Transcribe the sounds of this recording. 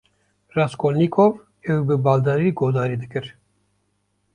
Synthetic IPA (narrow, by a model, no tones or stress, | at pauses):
raskʰolniːkʰov | ɛwibɨbɑːld̪ɑɾiːɡoːd̪ɑːɾiːd̪ɨkɨɾ